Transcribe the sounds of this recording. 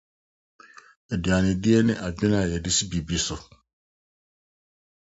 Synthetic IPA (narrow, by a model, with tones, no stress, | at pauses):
ɛ˨di˨a˨nɪ̃˨dɪ˦e˦nɪ̃˦ʔa˨bɪ̃˦nã˨jɛ˨dɪ˦si˦bi˨bi˦sʊ˨